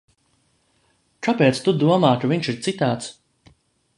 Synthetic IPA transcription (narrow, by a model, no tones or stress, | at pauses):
kapeːt̪st̪ud̪uɔmaːt̪uviɲʃiɾt̪sit̪aːt̪s